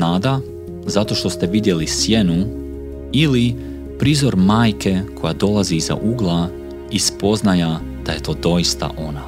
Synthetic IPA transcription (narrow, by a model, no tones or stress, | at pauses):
naːd̪a | zat̪o̞ʃt̪o̞st̪e̞ʋid̪je̞lisjenu | ili | pɾizo̞ɾmaːjkʰe̞kʰo̞jad̪o̞lˠaziːza̰ʔuɡlˠa | ispo̞znaja | d̪̥aje̞t̪o̞ːd̪o̞jist̪a̰ʔo̞na